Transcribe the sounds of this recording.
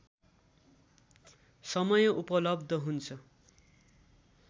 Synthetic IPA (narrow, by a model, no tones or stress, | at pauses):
sʌmʌjʌʔupʌlʌb̚d̪ʱʌɦunt͡sʰʌ